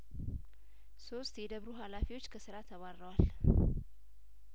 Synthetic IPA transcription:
so̞st̪jɛd̪əβɾuɦalafiwo̞t͡ʃːkʰəsɨɾat̪ʰəβaɾːəwal

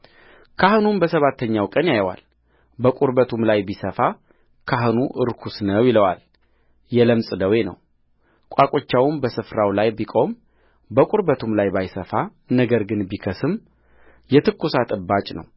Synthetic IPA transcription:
kʰahɨnunbəsəβat̪ʰːəɲːawkʼənjajwa̰l | bəkʼuɾbət̪ʰumlajbisəfa | kʰaɦɨnuʔɨ̰ɾkʰusnəwjɪləwal | jɛləmsʼɨd̪əwe̞nə̰w | kʷʼakʼot͡ʃːawmbəsɨfɾawlajbikʼo̞m | bəkʼuɾbət̪ʰumlajbajsəfa | nəɡəɾɡɨnbikʰəsɨm | jɛt̪ʰɨkːusat̪ʼɨbːat͡ʃʼnə̰w

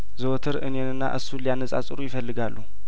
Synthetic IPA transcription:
zɨwt̪ʰɨɾɨnjenɨnːa̰ʔɨsːulijanːəsʼa̰t͡sʼɨɾujɪfəlːɨɡalːu

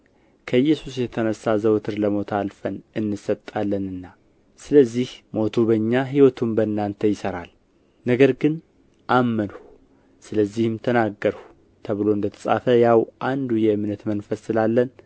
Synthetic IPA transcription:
kʰəɨjːɛsusjɛt̪ʰənəsazəwt̪ʰɨɾləmo̞t̪ʰalfənɨnːɨsət̪ʼːalːənɨnːa | sɨləzːihmo̞t̪ʰubəɲːaɦiwɔt̪ʰumbəɨnːant̪ʰəjɪsəɾal | nəɡəɾɡɨn | ʔamːənhu | sɨləzːihɨmt̪ʰənaɡːəɾhu | t̪ʰəβɨlo̞ɨnd̪ət̪ʰə̥sʼa̰fəjawʔand̪ujɛmɨnət̪mənfəsɨlalːən

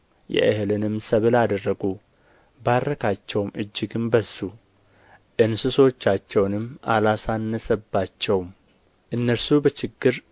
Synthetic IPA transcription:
jɛ̰ʔɨhɨlɨnɨmsəβɨlad̪ərːəɡu | barːəkʰat͡ʃːɛwmɨd͡ʒːɪɡɨmbəsːu | ʔɨnsɨso̞t͡ʃːat͡ʃːɛwnɨmːa̰lasanːəsəbːat͡ʃːɛwm | ʔɨnːəɾsubət͡ʃɪɡːɨɾ

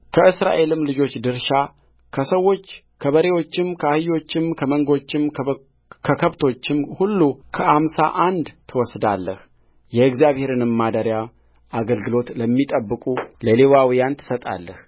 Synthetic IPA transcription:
kʰəʔɨsɾa̰ʔe̞lɨmlɨd͡ʒo̞t͡ʃːd̪ɨɾʃa | kʰəsəwːo̞t͡ʃː | kʰəβəɾe̞wot͡ʃːɪmkʰəahɨjo̞t͡ʃːɪmkʰəməŋɡo̞t͡ʃːɪm | kʰəkʰəβt̪ʰo̞t͡ʃːɪmhulːukʰəʔamsa̰ʔand̪t̪ʰɨwɔsd̪alːəh | jɛɨɡzijaβhe̞ɾɨnɨmːad̪əɾja | ʔaɡəlɡɨlo̞t̪ləmːit̪ʼəbːɨkʼuləlewawijant̪ʰɨ̥sət̪ʼa̰lːəh

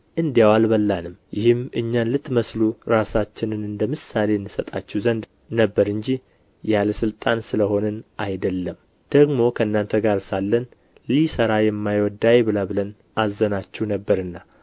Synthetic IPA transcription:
ʔɨnd̪jawalbəlːanɨmjɪhɨmɨɲːanlɨt̪ːməsluɾasat͡ʃːɪnɨnɨnd̪əmɨsale̞ɨnːɨsət̪ʼat͡ʃːɛwzənd̪ | nəbːəɾɨɲd͡ʒi | jaləsɨlt̪ʼansɨləho̞nənʔajd̪əlːəm | d̪̥əɡmo̞kʰəɨnːant̪ʰəɡaɾsalːən | lisəɾajɛmːajwɔd̪ajbɨlabɨlən | azːənat͡ʃːɛhnəbːəɾɨnːa

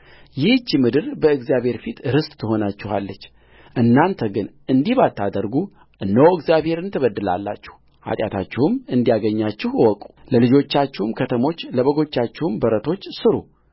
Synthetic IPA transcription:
jɪht͡ʃːimɨd̪ɨɾbəɨɡzijaβhe̞ɾfit̪ɾɨst̪ʼt̪ʰːɨɦo̞nat͡ʃːɪha̰lːət͡ʃː | ʔɨnːant̪ʰəɡɨnʔɨnd̪ihbat̪ʰːad̪əɾɡu | ʔɨnːəwɨɡzjabhe̞ɾɨnt̪ʰəβəd̪ːɨla̰lːa̰t͡ʃːɛ̥h | ha̰t̪ʼja̰t̪ʰa̰t͡ʃːɛhɨmɨnd̪ijaɡəɲːat͡ʃːɪhwɔkʼu̥ləlɨd͡ʒo̞t͡ʃːat͡ʃːɛhumkʰət̪ʰəmo̞t͡ʃːləβəɡo̞t͡ʃːat͡ʃːɛhmbəɾət̪ʰo̞t͡ʃːsɨɾu

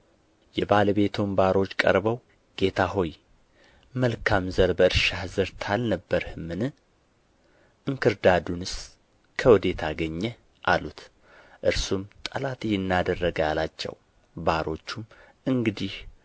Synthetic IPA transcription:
jɛbaləbe̞t̪ʰumbaɾo̞t͡ʃːkʼə̰ɾbəw | ɡ̥e̞t̪ʰaɦo̞j | məlkʰamzəɾbəɨɾʃahzɨɾt̪ʰalnəbːəɾhmɨnɨ | ʔɨŋkʰɨɾd̪ad̪unɨs | kʰəwɔd̪e̞t̪ʰaɡəɲːɛ | ʔalut̪ | ʔɨɾsumt̪ʼəlat̪jɪnːad̪ərːəɡalat͡ʃːɛ̰w | baɾo̞t͡ʃːum | ɨŋɡɨd̪ih

